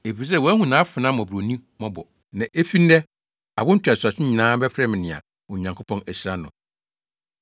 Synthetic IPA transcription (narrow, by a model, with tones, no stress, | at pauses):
e˨fi˨s̬ɛ˦wɔ˨˦æ˦hũ˨nãː˨˦fʊ˨nã˦m˨ɔ̃˨bɾo˨nĩ˦mɔ̃˦bɔ˨ | nã˨ʔe˦fi˦n̩˦dɛ˦ | a˨bʊ̃˦n̩˦tʰu˨a˨sʊ˨a˨sᶣɪ̃˦ɲĩ˨nãː˦bɛ˦fɾɛ˦mɪ̃˨nɪ̃˨a̰˨ | wɔ˨ɲã˨ŋkʰo˦pʰɔ̃˦næ˨sa˦nʊ̰̃˨